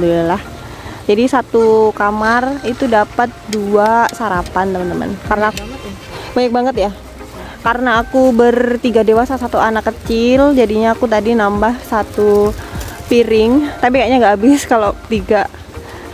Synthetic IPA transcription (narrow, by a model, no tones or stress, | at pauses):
d̪ualah | d͡ʒadisat̪ukamarit̪udapət̪̚duasaɾapant̪əmənt̪əmə̰nkarnaːk | baɲək̚baŋət̪ja | kaɾənaːkubərt̪iɡadewasasat̪uanakːət͡ʃɪld͡ʒadiɲaːkut̪̬adinambahsat̪u | piɾɪŋt̪apikaɲaŋɡaːbɪskalot̪iɡa